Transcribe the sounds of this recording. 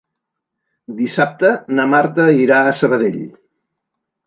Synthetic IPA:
d̪isap̚t̪ənəmaɾt̪əiɾaəsəβ̞əðeʎ

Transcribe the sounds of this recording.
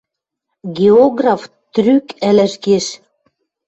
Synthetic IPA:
ɡʲeoɣrɑf | t̪rykælæʃɡeʃ

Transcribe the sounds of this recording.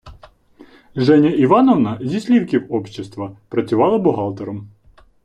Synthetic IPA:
ʒɛnʲɐiʋɑnɔʋnɐzʲisʲlʲiwkʲiwɔpʃʲːest̪ʋɐpɾɐt͡sʲʊʋɑlˠɐbɔɦɑlˠt̪eɾɔm

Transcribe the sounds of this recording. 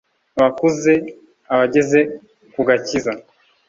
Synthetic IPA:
aβakuze | aβaɟe̞ze̞ | kuɡaciza

